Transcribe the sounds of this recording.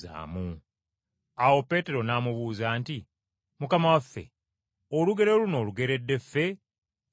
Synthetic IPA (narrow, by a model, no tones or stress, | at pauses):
a̰ːmu | awo̞pːe̞ːte̞ɾo̞naːmuβuːzaːnti | mukamawafːe̞̰ | oluɡe̞ɾeluno̞ːluɡe̞ɾe̞dːe̞fːe̞